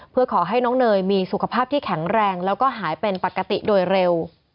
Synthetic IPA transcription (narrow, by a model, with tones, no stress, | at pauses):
pʰɯ˥˩ɐkʰɔː˩˦ɦa˥˩jnɔː˦˥ŋnɤː˧jmiː˧su˨˩kʰa˧pʰaː˥˩p̚t̪ʰiː˥˩kʰɛ˩˦ŋɾɛː˧ŋlɛː˦˥wkɔː˥˩ɦaː˩˦jpe˧npa˨˩kːa˧t̪i˨˩doː˧jɾe˧w